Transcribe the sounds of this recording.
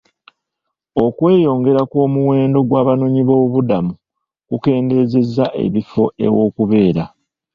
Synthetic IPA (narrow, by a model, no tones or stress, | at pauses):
o̞kwe̞ːjo̞ːŋɡe̞ɾako̞ːmuwe̞ːndo̞ɡwaːβanoːɲiβo̞ːβudamu | kuke̞ːnde̞ze̞zːaʔe̞̰βifo̞e̞̰wo̞ːkuβe̞ːɾa